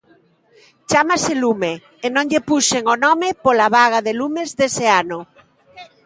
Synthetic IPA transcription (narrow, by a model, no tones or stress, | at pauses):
t͡ʃamaselumeː | nõŋʎepuʃeŋonɔmepolaβ̞aɣaðelumezðeseano